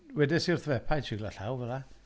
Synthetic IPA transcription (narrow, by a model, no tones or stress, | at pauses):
wɛdɪsiʊrθvɛpʰajt͡ʃʰiɡlˠaɬawvɛlˠa